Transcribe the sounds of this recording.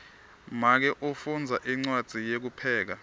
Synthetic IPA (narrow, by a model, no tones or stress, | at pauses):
mak̬ɛʔofund͡zʱaʔiŋ͡ǀwad̥ʱijek̬upʰɛːk̬a